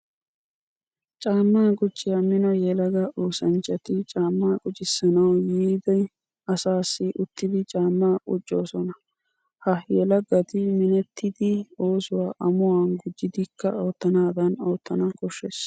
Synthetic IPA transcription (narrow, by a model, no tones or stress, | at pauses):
t͡ʃʼaːmːaːɡʼʊd͡ʒːɪjamɪnɔjɛlɐɡɐʔuːsɐnt͡ʃːɐt̪ɪt͡ʃʼaːmːaːkʼʊt͡ʃʼɪsːɐnɐwjiːd̪ɛj | ɐsaːsːɪʔʊt̪ːɪd̪ɪt͡ʃʼaːmːaːʔʼʊt͡ʃʼːo̞ːsɔnɐ | hɐjɛlɐɡːɐt̪ɪmɪnɛt̪ʰːɪd̪ɪo̞ːsʊwaːʔɐmʊwanɡʊd͡ʒːɪd̪ɪkːɐ̰o̞ːt̪ːɐnaːd̪ɐno̞ːt̪ːɐnɐkʼɔʃːes